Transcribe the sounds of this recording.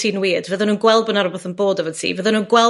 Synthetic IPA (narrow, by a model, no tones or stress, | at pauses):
iːnwiːdvəðnuːnɡwɛlˠbənaɾɔboθənboːdəvɔtʰḭːvəðənunɡwɛ